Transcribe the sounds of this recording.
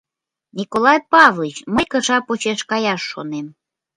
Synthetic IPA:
nʲikolˠɑjpɑvlˠit͡ɕməjkə̆ʃɑpot͡ɕeʃkɑjɑʃːonem

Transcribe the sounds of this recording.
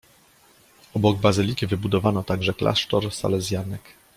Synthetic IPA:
ɔbɔɡbazɘlʲikʲivɘbud̪ɔvanɔt̪aɡʐɛklʔa̰ʂtɔɾsa̰lɛzʲjanɛk

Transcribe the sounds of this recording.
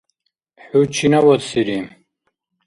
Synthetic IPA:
ħut͡ʃʰinawɔt̪siɾim

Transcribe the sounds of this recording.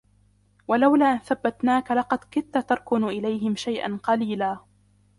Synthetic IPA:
walawlaːʔɪnθabːat̪naːkalɑqɑd̪kʊnt̪at̪ɑɾˤkʊnʔɪlajɦɪmʃajʔa̰nqɑliːlaː

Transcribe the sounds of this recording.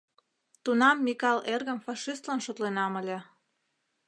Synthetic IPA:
t̪unɑmːikɑlerɣə̆mfɑʃist̪lɑnʃot̪lenɑməlʲĕ

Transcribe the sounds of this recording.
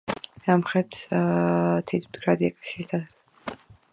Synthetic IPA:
d̪amχɛt̪ʰ | t̪ʰit̪ʰmd̪ɡɾad̪iɛkʼlɛsist̪ʰa

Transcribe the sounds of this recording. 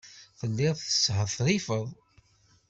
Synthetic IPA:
θəlːɪðˤθəshəðθɾifəðˤ

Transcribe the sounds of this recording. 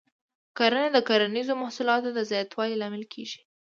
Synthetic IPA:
kaɾanad̪əkaɾanizomahsulɑt̪od̪əzjat̪wɑlilɑmɪlkʰeʒi̥

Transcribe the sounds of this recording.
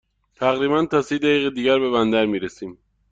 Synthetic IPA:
t̪ʰæɣɾiːbænt̪ʰɒːsiːd̪æjiːɣed̪iːɟæɾbe̞βænd̪æɾmiːɾesiːm

